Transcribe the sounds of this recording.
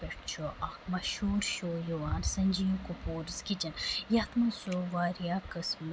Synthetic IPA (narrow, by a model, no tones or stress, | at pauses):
peʈt͡ʃʰoʔakmɐʃuːɾʃoːjoʋaːnsɐnʲd͡ʒijõkupoːɾskit͡ʃɐnjaːt̪masoːʋaːɾjaːkɐsm